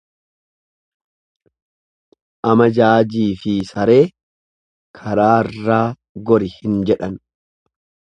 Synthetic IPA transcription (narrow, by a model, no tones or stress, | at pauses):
ʔɐmɐd͡ʒaːd͡ʒiːfɪsɐɾe̞ː | kʰɐɾaːɪrːaː | ɡɔɾɪhɪnd͡ʒɛᶑɐn